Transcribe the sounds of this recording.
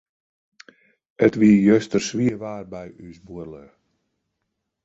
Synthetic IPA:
ətʋiəjøstərsʋiəʋaːrbɛjysbuərlə

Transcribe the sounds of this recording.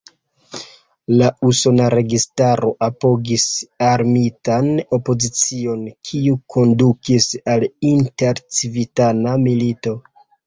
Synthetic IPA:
lauso̞naɾe̞ɡistaɾo̞ʔapo̞ɡisaɾmitano̞po̞zit͡sio̞nkʰiukʰo̞ndukisalinte̞ɾt͡sivitanamilito̞

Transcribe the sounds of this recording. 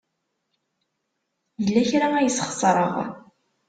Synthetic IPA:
jəlːæçɾææjəsχsˤɾˤə̰ʁ̰

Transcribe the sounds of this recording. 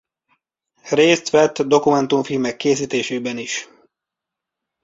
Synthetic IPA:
reːst̪ʋɛt̪ːd̪o̞kumɛnt̪uɱfilmɛkːeːsiːt̪eːʃeːbɛniʃ

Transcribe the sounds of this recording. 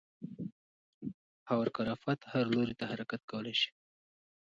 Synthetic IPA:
hawaɾkaɾafat̪haɾloɾit̪ahaɾakat̪̚kawəlajʃi̥

